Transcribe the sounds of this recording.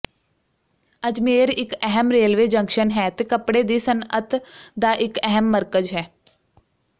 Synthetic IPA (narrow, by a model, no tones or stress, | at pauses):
əd͡ʒmeːɾɪkɛɦəmɾeːlʋeːd͡ʒə̃ŋkʃənɦɛːt̪eːkəpɽeːd̪iːsənət̪ʰd̪aːʔɪkɛɦəmːəɾkəd͡ʒɦɛː